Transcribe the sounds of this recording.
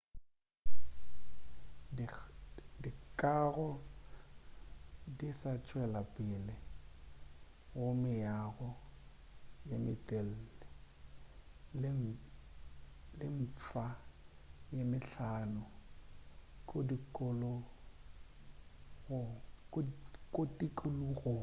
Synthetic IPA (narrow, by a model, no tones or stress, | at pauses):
dikʼaɣɔ | disat͡ʃʼwɛlapʼɪlɪ | ɣʊmɪjaɣɔ | jamɪtʼel̩lɛ | lɪ | lɪɱ̩fa | jamɪɬaːnʊ | kʼodikʼʊlɔ | ɣʊ | kʼotʼikʼʊluɣʊ